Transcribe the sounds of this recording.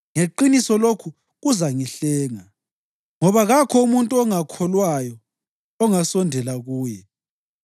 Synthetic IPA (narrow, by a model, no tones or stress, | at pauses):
ŋeǃinisɔlokʰu | ɣuzaŋiɬɛːŋa | ŋɔβaɣakʰɔumuntʼuɔŋakʰɔlwajɔ | ɔŋasɔndʱɛlaɣuːjɛ